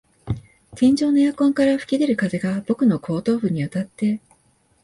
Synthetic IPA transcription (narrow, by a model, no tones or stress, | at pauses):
t̪ẽɲ̟d͡ʑo̞ːno̞jakõ̞ŋkaɾaɸɯ̟̥kʲid̪e̞ɾɯ̟kaze̞ɡab̥o̞kɯ̟no̞kʰo̞ːt̪o̞ːɸɯ̟ɲ̟iβat̪at̪ːe̞